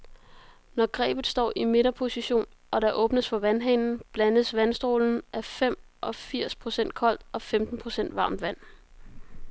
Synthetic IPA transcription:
nɒɡ̥ʁɛ̰ːb̥ð̩ˠsd̥ɒ̰ːʔime̝ɾ̥ɐpʰo̝siɕo̝̰ːn | ʔɒ̽ɾɑ̈ʔɔ̽ːb̥nəsfɒ̽ʋænɦɛnn̩b̥lænðəsʋænsd̥ʁo̝ːln̩ʔæɐfem̰ | ʔɒ̽fiɐ̰spʰʁo̝sen̰d̥̚kʰɒ̽l̰d̥ɒ̽femd̥n̩pʰʁo̝sen̰d̥ʋɑ̈ːmd̥ʋæn̰

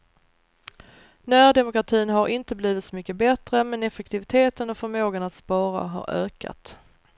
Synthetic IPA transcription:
nœːd̪ɛmʊkɾat̪ʰiːnɦaɾʔɪnt̪əbliːvɪt̪sɔmʏkːəbɛt̪ɾəmɛnɛfəkt̪ʰɪvɪt̪ʰeːt̪ənɔfœɾmoːɡanat̪spɑːɾa̰ɦa̰ɾø̰ːka̰t̪

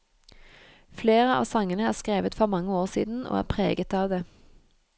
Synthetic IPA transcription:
fleːʁəɑ̰ːʋsɑŋənəæːʁskʁeːʋət̪fɔʁmɑŋːəoːʁsḭːd̪n̩ʔo̰ːæ̰ːʁpʰʁḛːɡət̪ɑːʋd̪eː

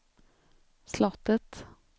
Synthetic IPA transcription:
slɑt̪ət̪

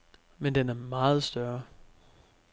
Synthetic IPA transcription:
mend̥enæɐmɑ̈ːð̞̩ˠsd̥ɶɐ

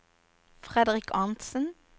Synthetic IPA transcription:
fʁɛd̪əʁɪkʰɑnt̪sən̩

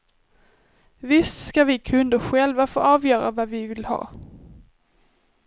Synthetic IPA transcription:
vɪst̪skavɪkʰɵnd̪əɧɛlvafo̰ːɑːvjœːɾa̰vavɪvɪlhɑ̰ː

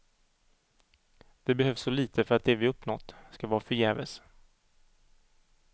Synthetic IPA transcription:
d̪̥ɛbɛhœvsːɔliːt̪ʰəfœɾat̪̚d̪ɛvɪɵpːnɔ̰t̪ːskavɑːɾfœɾjɛːvə̰s

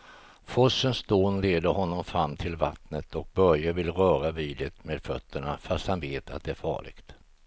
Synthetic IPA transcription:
fɔsːənsd̪oːnleːd̪əɾhɔnːɔmfɾamːt̪ʰɪlvat̪nət̪ʰɔk̚bœɾjavɪlːɾœːɾaviːd̪ɪt̪meːd̪fœt̪ːəɳafast̪hanveːt̪a̰t̪̚d̪ɛæɾfɑ̰ːɭɪ̰ɡ̥t̪

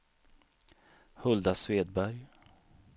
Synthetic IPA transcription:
hɵld̪asveːd̪̚bæɾj

